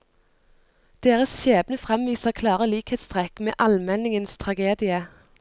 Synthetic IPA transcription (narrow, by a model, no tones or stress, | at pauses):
d̪̥eːʁəsʃeːbnəfʁɛmʋiːsəʁkʰlɑːʁəliːkheːt̪st̪ʁɛkmḛːʔɑlmɛnɪŋənst̪ʰʁɑɡeːd̪ɪə